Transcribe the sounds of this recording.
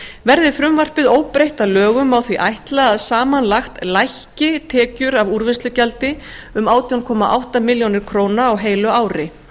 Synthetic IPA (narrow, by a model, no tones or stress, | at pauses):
vɛɾðɪfɾʏmvar̥pɪðoːwpɾejht̪alœːɣʏmawθviʔajht̪laːðsaːmanlaxt̪lajhcɪt̪ʰɛːcʏɾavuɾvɪnst̪lʏcalt̪ɪʏmaːwt̪jankʰɔːmaʔa̰wht̪amɪljownɪɾ̥kʰɾoːwnaːwɦeːjlʏaːwɾɪ